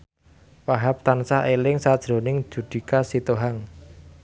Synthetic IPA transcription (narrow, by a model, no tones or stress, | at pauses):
waɦap̚t̪ansaelɪŋsad̥ʒ̥ɾo̤nɪŋd̥ʒ̥ṳd̪̥i̤kasit̪oɦaŋ